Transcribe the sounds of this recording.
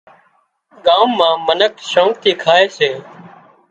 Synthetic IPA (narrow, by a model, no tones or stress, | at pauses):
ɠaːmːãːmənəkʃõːk̚t̪ʰiːkʰaːeːseː